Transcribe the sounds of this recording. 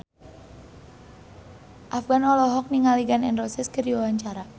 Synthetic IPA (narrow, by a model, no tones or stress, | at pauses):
ʔafɡ̥anɔlɔɦɔk̚niŋaliɡanɛ̰nrɔsɛskəɾiwawaɲt͡ʃaɾa